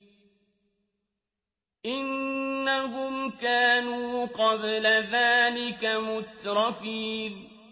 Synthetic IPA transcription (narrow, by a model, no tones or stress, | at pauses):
ʔɪnːaɦʊmkaːnuːqɑblaðaːlɪkamʊt̪ɾˤɑfiːn